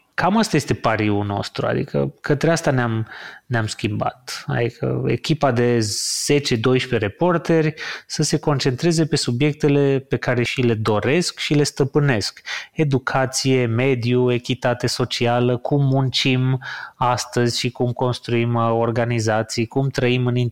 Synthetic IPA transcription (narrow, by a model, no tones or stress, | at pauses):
kamast̪aje̞st̪e̞paɾiuno̞̰st̪ɾṵa̰d̪ḭkʰə̰kət̪ɾeast̪aneamneamskʲimba̰t̪a̰d̪ikə̰ḛkʲipad̪e̞z̥e̞t͡ʃe̞d̪o̞jʃpe̞ɾe̞po̞rt̪e̞rʲsəse̞ko̞nt͡ʃe̞nt̪ɾe̞ze̞pe̞subje̞k̚t̪e̞le̞pe̞kaɾe̞ʃile̞d̪o̞ɾe̞skʃile̞st̪əpɨne̞ske̞d̪ukʰat̪sije̞me̞d̪jue̞kʲit̪at̪e̞so̞t͡ʃialəkʰumːunt͡ʃimast̪əzʲʃikumko̞nst̪ɾuimo̞rɡanizat̪sijkumt̪ɾəimɨnin